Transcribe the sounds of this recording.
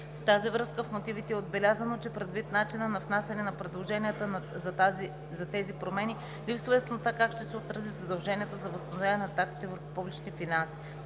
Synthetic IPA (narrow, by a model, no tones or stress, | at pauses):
ft̪azivɾɤskəfmot̪ivit̪ɛɛod̪̚bɛlʲazənot͡ʃɛpɾɛd̪vit̪̚nat͡ʃinənɐfnasɛnɛnɐpɾɛd̪lˠoʒɛnʲijət̪əzɐzi | zɐt̪ɛzipɾomɛni | lipsvəjɐsnost̪akakʃt̪ɛsɛot̪ɾɐzizɐd̪ɐlˠʒɛniɛt̪ozɐvəst̪ɐnovjanɛnɐt̪aksi̥t̪ɛvəɾppublit͡ʃnifinansi̥